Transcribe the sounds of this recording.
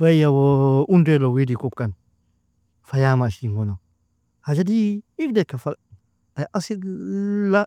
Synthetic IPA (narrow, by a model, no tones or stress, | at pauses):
bajawoʔundelowidikupkan | fajamaʃiŋɡono | had͡ʒadiifdekːafa | aʔasila